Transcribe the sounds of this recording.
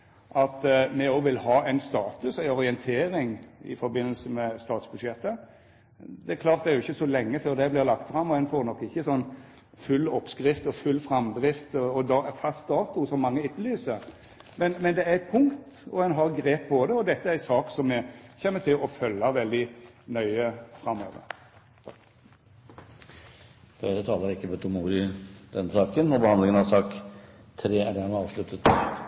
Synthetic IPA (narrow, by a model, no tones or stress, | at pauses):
ʔɑt̪mɛɔʋɪlhɑːæɪnst̪ɑːt̪ʉsæɪɔɾɪɛnt̪ʰeːɾɪŋɪ̰fɔɾbɪnːəlsəmɛst̪ɑːt̪sb̥ʉd̪ʃɛt̪ːə | d̪ɛkʰlɑːɾt̪d̪ɛæɾjʊɪçːəsɔlɛŋːəføːɾd̪ɛblɪːʁlɑkt̪fɾɑmːɔɛɪnfɔɾnɔkːɪçːəsɔnː | fʉlːɔpskɾɪft̪ɔfʉlːfɾɑmd̪ɾɪft̪ɔɔd̪ɑfɑst̪̚d̪ɑːt̪ʊsɔmːɑŋːəɪt̪lyːsəɾ | mɛnmɛnd̪ɛæɾɛt̪̚pʰʊŋkt̪ | ɔɛnɦɑɾɡɾeːp̚ːbod̪ɛɔd̪ɛt̪ːəæsɑːksɔmːɛçɛmːət̪ʰɪlɔfœlːɑʋɛld̪ɪnœʏəfɾɑmːo̰ːʋə̰ɾ | d̪̥ɛd̪ət̪ʰɑːləɾɪkːəbɛt̪ʰuːmuːd̪ɪd̪̥ɛnːsɑːkənːɔbəhɑnlɪŋənɑsɑːkt̪ʰɾeːæɖæɾmɛɑːʋʂlʉt̪ːət̪